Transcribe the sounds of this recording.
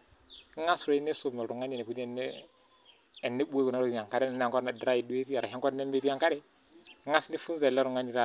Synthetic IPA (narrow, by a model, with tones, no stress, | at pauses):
ŋa˦sɾo˨i˦nːe˦so˨me˨ɾu˨ŋːa˦ni˨ne˨ku˨ni˦˨nːe˦ | e˨nːe˦ɓu˦we˦ɡu˨na˦ɾo˦˨˦a˨ka˦ɾe˦n˨nː˦˨ko˦ɾna˨˦dɾa˦ji˨du˦e˦pi˦ja˨ɾa˨ɦi˦ŋko˦ɾne˦mbe˦pi˦a˨ŋka˦ɾe˦ | ŋa˦sni˦fu˦nza˨lːa˦ɾu˨ŋa˦ni˨ɾa˦